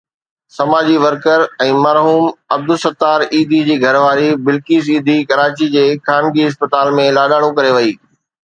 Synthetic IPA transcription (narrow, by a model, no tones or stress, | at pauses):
sɐmaːd͡ʑiʋɐɾkəɾɛ̃ːmɐɾɦuːmɐb̚d̪ʊsɐt̪ːaːɾiːd̪ʱid͡ʑiːɡʱɐɾʋaːɾibɪlkiːsiːd̪ʱikɐɾaːt͡ɕid͡ʑeːkaːnɡiɪs̬pət̪aːlmẽlaːɗaːɽ̃ũkɐɾeʋɐiː